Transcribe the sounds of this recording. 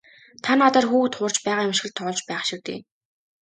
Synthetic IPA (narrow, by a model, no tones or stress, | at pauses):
t̪ʰanɔt̪aːrxuːxt̪χʊːr̥t͡ɕpæːʁaːjɪmʃ̆ɘ̆ɮt̪ʰɔɮt͡ɕpæːχʃĭk̚t̪ḛː